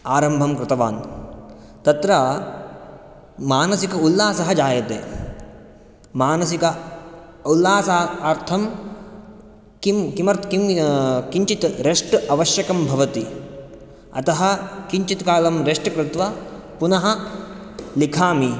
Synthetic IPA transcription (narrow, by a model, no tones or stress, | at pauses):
aːɾɐmbʱɐmkɾɪt̪ɐʋaːn | t̪ɐt̪ɾɐ | maːnɐsikɐulːaːsɐɦɐd͡ʒaːjɐt̪ḛː | maːnɐsikɐ | ulːaːsaaːɾt̪ʰɐm | kimkimɐɾt̪kimkiɲt͡ʃit̪ɾeʂʈɐʋɐʃjɐkɐmbʱɐʋɐt̪i | ɐ̰t̪ɐɦɐ̆kiɲt͡ʃit̪kaːlɐmɾeʂʈkɾɪt̪ʋɐ | punɐɦɐ | likʰaːmi